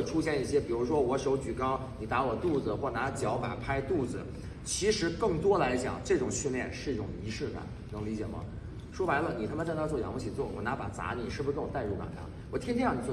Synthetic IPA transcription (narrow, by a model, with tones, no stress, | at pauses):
ʈ͡ʂʰu˥ɕjɛ˥˧ni˥˩ɕjɛ˥pi˨˩ɻu˧˥ʂwɔ˥wɔ˧˥ʂo˧˥ʊt͡ɕy˨˩kɑ˥ʊni˨˩t̪a˧˥wɔ˨˩t̪u˥˩d͡z̩˩xwɔ˥˩na˧˥t͡ɕjɑ˧˥ʊfa̰˨˩pʰa˥ɪt̪u˥˩d͡zɹ̩˩ | t͡ɕʰi˧˥ʂɻ̩˧˥kɤ˥˩ŋt̪wɔ˥la˧˥ɪt͡ɕjɑ̰˨˩˦ŋʈ͡ʂɤ˥˩ʈ͡ʂʊ˨˩ŋɕy˥˧nljɛ˥˧nʂɻ̩˥˧i˥˩ʈ͡ʂʊ̰˨˩ŋi˧˥ʂɻ̩˥˩ka̰˨˩ | nə˧˥ŋli˧˥t͡ɕjɛ̰˨˩mɐ̰˧˦ | ʂwɔ˥wa˧˥ɪlə˧˨ni˨˩t̪ʰa˥mə˨˧ʈ͡ʂɤ˥˧nt̪a˥˧ɪt͡swɔ˥˩jɑ̰˨˩ŋwɔ˧˥t͡ɕʰi˨˩t͡swɔ˥˩wɔ̰˨˩na˧˥pa̰˨˩t͡sa̰˧˥ni˨˩ʂɻ̩˥˩bu˧ʂ̩˥kwɔ˨˩t̪a˥˧ɪu˧˥˩ka̰˨˩t̪ʰa̰˥˩n | wɔ˨˩t̪ʰɛ˥nt͡ɕʰi˥jn˨˩t͡sw